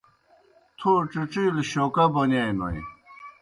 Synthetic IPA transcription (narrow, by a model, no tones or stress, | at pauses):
t̪ʰoʈ͡ʂiʈ͡ʂilɕokabonajno̰j